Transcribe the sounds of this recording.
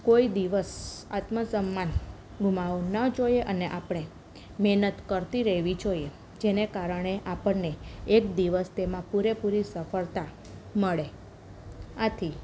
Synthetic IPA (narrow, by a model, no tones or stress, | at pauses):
koid̪iʋəsa̰t̪məsəmːan | ɡʱumaonəd͡ʒojeʔəneʔapɳ̃e | mɛɦnət̪kəɾt̪iɾəɦʋid͡ʒoie | d͡ʒenekaɾəɳ̃eʔapəɳneekd̪iʋəst̪emãpuɾepuɾisəfəɭt̪a | məɭe | at̪ʰi